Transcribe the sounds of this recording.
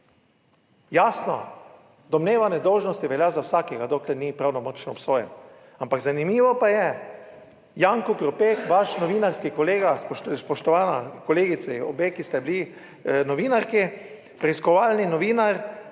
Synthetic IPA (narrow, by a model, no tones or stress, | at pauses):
jasnɔ̰ | d̪ɔmneːʋanɛd̪ɔwʒnɔst̪iʋɛljazawsaːkɛɡad̪oːklɛɾnipɾawnɔmɔt͡ʃnɔːpsoːjɛn | ampaɡzanimiːʋɔpajɛ | jaːŋkɔkɾɔpeːkʋaʃnɔʋiːnaɾskikɔleːɡaspɔʃspɔʃt̪ɔʋaːnakɔleːɡit̪sɛɔ̰beːkist̪ɛbili | nɔʋiːnaɾki | pɾɛiskɔʋaːlninɔʋiːnaɾ